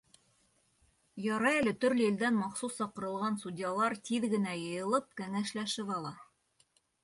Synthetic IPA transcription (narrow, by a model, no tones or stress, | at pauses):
jɑɾɑælɘt̪ɵ̆ɾlɘild̪ænmɑqsusːɑqɤ̆ɾɤ̆lˠʁɑnsudʲjɑlˠɑɾt̪iðɡɘ̆næjɤ̆jɤ̆lˠɤp̚kæŋæʃlæʃɘpɑlˠɑ